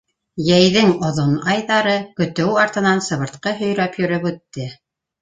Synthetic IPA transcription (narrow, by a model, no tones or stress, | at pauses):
jæjðɘŋŏðonɑjðɑɾɤkɵ̆t̪ɘwɑɾt̪ɤ̆nɑnsɤ̆βɤ̆ɾt̪qɤɦɵ̆jɾæpjɵ̆ɾɵpʉt̪ːɘ